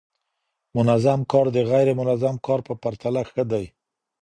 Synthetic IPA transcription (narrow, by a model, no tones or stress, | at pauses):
mʊnazamkɑɾd̪əɣajɾemʊnazamkɑɾpəpaɾt̪alaxəd̪aj